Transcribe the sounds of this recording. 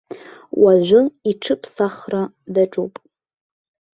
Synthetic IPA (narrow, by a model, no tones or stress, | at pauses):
waʕʷʊiʈ͡ʂʰɨpʰsaχra | daʈ͡ʂʼupʼ